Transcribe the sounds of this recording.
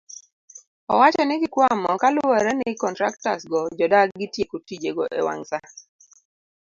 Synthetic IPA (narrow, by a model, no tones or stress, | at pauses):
ɔwat͡ʃɛnɪɡɪkwamɔkalʊɛɾɛnɪkɔntɾaktasɡɔd͡ʒɔdakɡɪtjekotid͡ʒeɡɔʔḛwa̰ŋsa